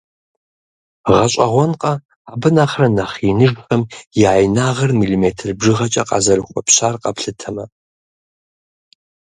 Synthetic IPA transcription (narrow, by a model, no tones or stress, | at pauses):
ʁɐɕʼɐʁʷɔnqʼɐ | aːbɨnaːχrɐnaχinɨʒxɐmjɪʕajnaːʁɐrmilimetʰɨrbʐɨʁɐt͡ʃʼɐqʼɑ̰zɐrɨχʷɔpʰɕaːrqʼɐpɬɨtʰɐmɐ